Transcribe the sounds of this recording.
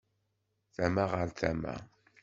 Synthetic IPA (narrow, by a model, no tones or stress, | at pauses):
θæmaʁəɾθæmæ̰